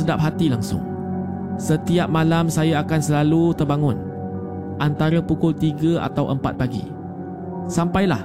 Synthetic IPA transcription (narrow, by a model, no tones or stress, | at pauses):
ədap̚ɦat̪ilaŋsʊ̰ŋ | sət̪iap̚malamsajaakansəlalut̪ərbaŋʊ̃n | ʔant̪aɾəpukʊlt̪iɡəʔa̰t̪awʔəmpat̪̚paɡḭ | sampajla̰h